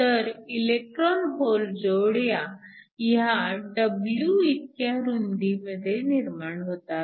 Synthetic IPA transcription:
t̪əɾilek̚ʈɾɔnbold͡zowɽjajɦaɖəbljuit̪̚kjaɾund̪iməd̪ʱjeniɾmaɳɦot̪a

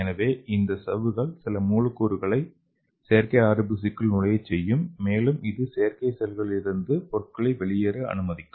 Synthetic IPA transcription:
ɛnɐʋeːʔɪnd̪ɐsɐʋɯɣɐɭsɪlɐmuːlɐkːuːɾɯɣɐɭɐɪ | sejɐɾkɐɪaːɾɐbɪs̬ɪkːɯlnʊɭɐjɐt͡ʃɛjːɯmːeːlɯmɪðɯsejɐɾkɐɪsɛlɣɐɭɪɾɯnd̪ɯpɔrkːɐɭɐɪʋɛɭɪjɐɾɯɐ̰nɯmɐðɪkːɯ

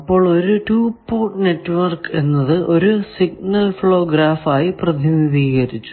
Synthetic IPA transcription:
ɐpːo̞ːɭo̞ɾuʈuːpːoːʈne̞ʈːʋɐrke̞nːɐðɨʔo̞ɾusiɡ̚nɐlfɭoːɡɾaːfaːjiprɐd̪ʱiniðiːɣɐɾit͡ɕːu̥

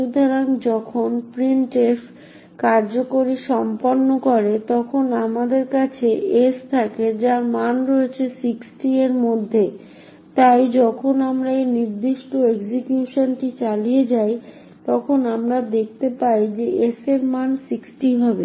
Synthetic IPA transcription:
ʃud̪ʱaɾaŋd͡ʑɔkʰonpɾiɳʈef | kaɾd͡ʑokoɾiʃɔmpoɾnːokɔɾet̪ɔkʰonamad̪eɾkat͡ɕʰeest̪ʰaked͡ʑaɾmanɾoet͡ɕʰesiksʈieɾmod̪ʱːe | t̪ajd͡ʑɔkʰonamɾaeniɾd̪iʃʈoeɡd͡ʑikjuʃonʈit͡ɕalijed͡ʑaj | t̪ɔkʰonamɾad̪ek̚ʰt̪epajd͡ʑeeseɾmansiksʈiɦɔbe

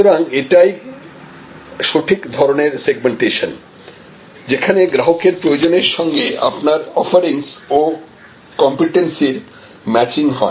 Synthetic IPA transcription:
oɾaŋeʈaj | ʃoʈʰikd̪ʱɔɾoneɾseɡ̚meɳʈeʃon | d͡ʑekʰaneɡɾaɦokeɾpɾojod͡ʑoneɾʃɔŋɡea̰pnaɾɔfaɾiŋso | kɔmpiʈensiɾ | mɛt͡ɕiŋɦɔ̰e

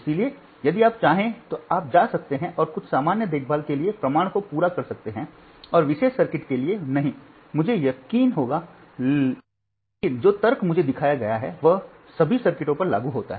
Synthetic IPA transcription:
ɪsilie | jɐd̪iaːp̚t͡ʃaːɦẽt̪oaːp̚d͡ʒaːsɐk̚t̪eɦɛ̃ʔɔːɾkʊt͡ʃʰsaːmaːnjəd̪eːkʰbʱaːlkeliepɾɐmaːɽ̃kopuːɾakɐɾsɐk̚t̪eɦɛ̃ | ɔːɾʋɪʃeːʃsːɐɾkɪʈkelienɐɦĩ | mʊd͡ʒʱejɐkiːnɦoːɡa | kɪnd͡ʒoːt̪ɐɾkmʊd͡ʒʱed̪ɪkʰaːjaɡɐjaɦɛ̰ʋɐɦ | sɐbʱisɐɾkɪʈõpɐɾla̰ːɡuɦoːt̪a̰ɦɛ

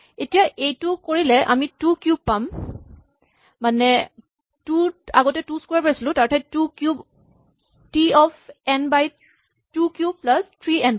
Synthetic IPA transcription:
etijaʔejtʊkoɹilɛʔa̰mitukjub̚pam | anɛ | tua̰ɡɔtɛtuskwaɹpaisilʊ̃taɹtʰɛtukjub | tiɔfʰɛnbaj | tukjuplastʰɹiɛnb

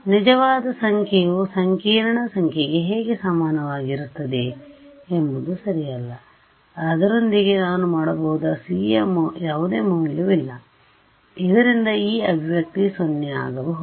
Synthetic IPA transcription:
nid͡ʒɐʋaːd̪ɐsɐŋkʰejusɐŋkʰiːɾɐɳɐsɐŋkʰeɡe̞ɦeːɡesamaːnɐʋaːɡiɾut̪ːɐd̪e̞embud̪usɐɾijɐlːɐ | ɐd̪ɐɾo̞nd̪iɡe̞naːnumaːɽɐbɐɦud̪ɐsiːjɐmjaːʋud̪e̞ːmɐmiluʋilːɐ | id̪ɐɾind̪ɐiːɐbʱiʋjɐk̚t̪isonːea̰ːɡɐbɐɦu

